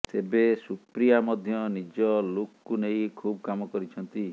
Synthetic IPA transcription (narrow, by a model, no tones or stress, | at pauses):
t̪ebesupɾijamɔd̪ʱjɔnid͡ʒɔlokkunejkʰub̚kamɔkɔɾit͡ʃʰɔnt̪i